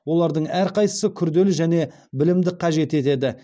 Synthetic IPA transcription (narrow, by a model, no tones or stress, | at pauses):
wo̞lˠɑɾd̪əɴæɾqʰɑjt̪ə̥səkʲʰʏɾd̪e̞lɪʒæne̞ | bɪlɪmd̪ɪqʰɑʒe̞t̪e̞t̪e̞d̪ɪ